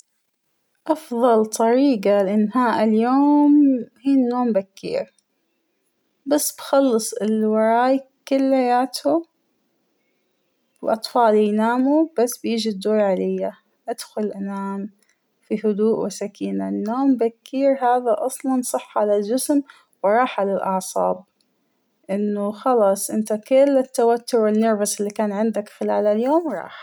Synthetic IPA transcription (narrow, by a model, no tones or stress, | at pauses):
ʔɑfðˤɑlt̪ˤɑɾiːqɑlɪʔɪnːhaːʔɪljoːmhiːnːoːmbakːḭːɾ | basːbxɑlːɨsˤɪlwɑɾˤɑːj | kɪlːajaːt̪ʰu | wʔɑt̪ˤfɑːljnaːmub̥asːbjiːd͡ʒid̪oːɾˤʕalɪjːa | ʔad̪̥xʊlʔanaːm | fihʊd̪uːʔwɪsakiːnanːoːmbakʰːiːɾɦaːðaʔɑsˤlɑnsˤɨħːʕalald͡ʒɪsm | wɾˤɑːħʕalalʔɑʕsˤɑ̰ːb̚ | ʔɪnːʊxɑlɑːsˤʔɪnt̪akɪlːɪt̪ːawat̪ːʊɾwɪnːɑɾbasʔɪlːikaːnʕɪnd̪akxɪlaːlaljoːmɾˤɑ̰ːħ